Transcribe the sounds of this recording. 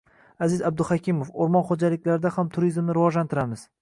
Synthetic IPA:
azɪzab̚d̪ʊhakʲiɪmofoɾmɒnχod͡ʒalɪkʲlaɾɪd̪ahamt̪ʰʊɾizmnɪɾɪvɒʒlant̪ʰɪɾamɪz̥

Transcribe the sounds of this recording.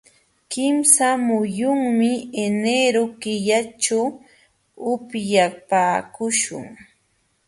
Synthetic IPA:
kɪmsamʊjʊŋmɪeneɾokɪʎat͡ʃaw | ʊpjapaːkʊʃʊ̰ŋ

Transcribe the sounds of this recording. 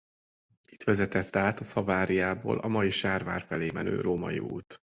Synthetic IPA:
i̥t̪ʋɛzɛt̪ɛt̪ːɛaːt̪ɒsɒvaːɾijaːbo̰ːlʔɒmɒjiʃaːrva̰ːrfɛleːmɛnø̰ːɾoːmɒjḭṵːt̪

